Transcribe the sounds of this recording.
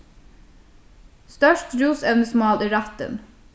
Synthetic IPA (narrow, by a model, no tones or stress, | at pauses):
st̪œʃʈɾuːsɛʋnəsmɑːlʔiːɾɑt̪ə̰n